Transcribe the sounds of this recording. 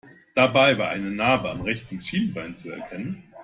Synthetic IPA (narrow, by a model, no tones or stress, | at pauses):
d̥abaɪvaːɐʔa̰ɪnənaːbəa̰mʁɛçtn̩ʃiːnbaɪnt͡suɛ̰ɐkʰɛnən